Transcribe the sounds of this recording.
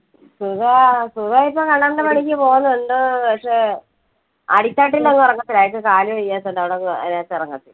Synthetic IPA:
suðaːsuðaːipːokɐɳːɐɳɖɨmɐɳikʲːɨpo̞ːɣunːɐuɳɖɨpɐkʂe | ɐ̰ɽit̪ːaːʈ̬ːilːeŋːɨurɐŋːɐt̪ːilaːjkːɨkaːljɐʋejːaːt̪ːoɳɖɐʋiɽeŋːḛnaːt̪ːirɐŋːɐt̪ːil

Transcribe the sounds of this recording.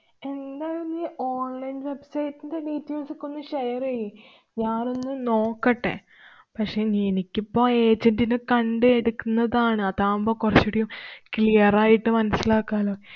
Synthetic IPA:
e̞nd̪aːluniːʔoːnlɐjnʋe̞bsɐjtːind̪eɖiːtːeːlsikːonːɨʂɐjɐreji | jaːro̞nːɨno̞ːkːɐʈːḛ | pɐkʂe̞ːnienikʲːipːo̞ːe̞ːd͡ʑɐndinɨkɐɳɖɨeɽukːunːɐðaːɳɨɐt̪aːmboːkurɐt͡ɕːuɽɐjumklijɐraːjiʈːɨmɐnɐsːilaːkːaːloː

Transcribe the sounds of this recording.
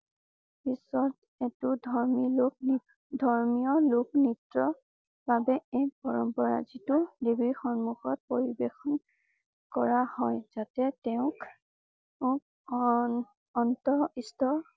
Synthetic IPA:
bisɔt | ɛtʊdʱɔɹmilok̚ | dʱɔɹmijɔlʊknitɹɔ | babɛɛk̚bɔɹɔmpɔɹa̰zitʊdebiɹxɔnmuxɔt̚poɹibexɔn | kɔɹahɔjzatɛtɛʊ̃k | ʊk | ɔntɔistɔ

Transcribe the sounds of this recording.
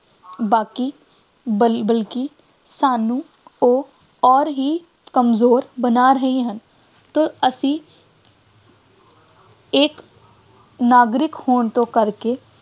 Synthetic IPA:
baːkiː | bəlbəlki | saːnũː | oː | ɔːɾɦiː | kəmzoːɾbənaːɾəɦiɦən | t̪oːəsĩː | eːk | naːɡɾɪkhoːɳt̪õːkəɾkeː

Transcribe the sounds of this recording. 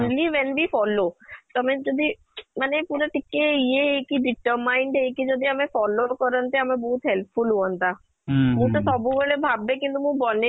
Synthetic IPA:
nliʋɛnbʱifɔlot̪oamed͡ʒɔd̪ʱi | manepuɾaʈikːeieekiɖɪʈəɾmaɪɳɖɦekid͡ʒɔd̪ʱiamẽfɔlokɔɾənt̪eamẽbɔɦut̪ɦɛlpfulɦuənt̪a | mũt̪ɔsɔbʱubeɭebʱabːekint̪umũbɔne

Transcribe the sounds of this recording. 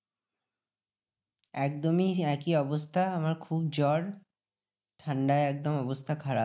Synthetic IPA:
ɛk̚d̪omiɛkiɔbost̪ʰaamaɾkʰub̚d͡ʑɔɽ | t̪ʰaɳɖaeɛk̚d̪omɔbost̪ʰakʰaɾa

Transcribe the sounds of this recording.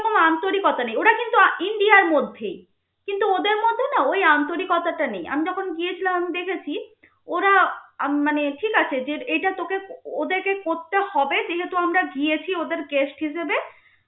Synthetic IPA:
komant̪oɾikɔt̪anejoʈakint̪uaiɳɖiaɾmod̪ʱːej | kint̪uod̪eɾmod̪ʱonaojant̪oɾikɔt̪aʈaneja̰mid͡ʑɔkʰonɡiet͡ɕʰilamamid̪ekʰet͡ɕʰi | oɾamaneʈʰikat͡ɕʰed͡ʑeejʈat̪okeod̪eɾkekoɾt̪ehɔbed͡ʑeɦet̪uamɾaɡiet͡ɕʰiod̪eɾɡesʈɦiʃebe

